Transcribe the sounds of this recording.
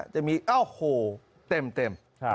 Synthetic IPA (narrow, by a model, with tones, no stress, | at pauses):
t͡ɕa˨˩miː˧ʔa˥˩hoː˧˩ | t̪e˧mt̪e˧˩mʰ˧